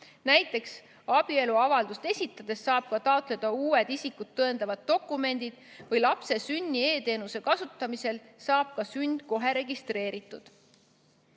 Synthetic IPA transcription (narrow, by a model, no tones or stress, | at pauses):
næjt̪ːˑe̞ks | ɑb̥ie̞luɑvɑld̪ust̪e̞sʲit̪ːˑɑd̪̥e̞sːɑːb̥̚kɑt̪ɑot̪ˑle̞d̪̥ɑuːe̞d̪̥isikːud̪̥̚t̪ːɤe̞nd̪ɑvɑd̪̥̚ːo̞kːˑume̞nʲd̪̥id̪̥vɯjlɑpse̞synʲːie̞ːt̪e̞ːnuse̞kɑsut̪ːˑɑmise̞lsɑːb̥̚kɑsynʲd̪̥ko̞ɦe̞ɾe̞ɡist̪re̞ːɾit̪ːˑud̪̥